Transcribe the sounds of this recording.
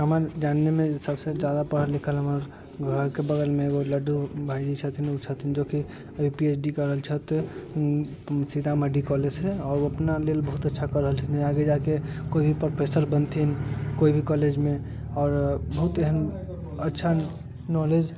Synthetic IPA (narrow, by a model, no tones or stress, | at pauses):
ɦəməɾd͡ʒanːemẽsəbsed͡ʒad̪apəɽ̤əlikʰəlɦəməɾ | ɡʱəɾkebəɡ̪əlmeoləɖubʱaid͡ʒit͡ʃʰət̪ʰinut͡ʃʰət̪ʰind͡ʒoki | jupiet͡ʃʰɖikəɾəɦəlt͡ʃʰət̪ | sid̪ʱaməɖikɔlet͡ʃʰeɔːɾoəpnalelbəɦut̪ətːʃʰakəɾəɦəlt͡ʃʰət̪ʰĩaɡed͡ʒakekoibʱipɾopʰesəɾbənt̪ʰinkoibʱikɔled͡ʒmẽ | ɔːɾbəɦut̪eɦən | ətːʃʰa | nɔled͡ʒ